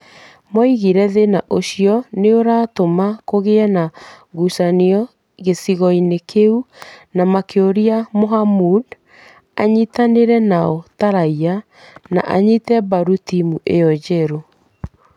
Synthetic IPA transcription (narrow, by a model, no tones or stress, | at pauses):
mɔiɣiɾɛðenaʔoɕijɔneoɾatomakoɣeɛna | ɣusaniɔ | ɣesiɣɔinekʰeunamakeoɾiamoɦamud | aɲitaneɾɛnaɔtaɾaia | na̰ʔaɲitɛbaɾutimuʔejɔd͡ʑɛɾo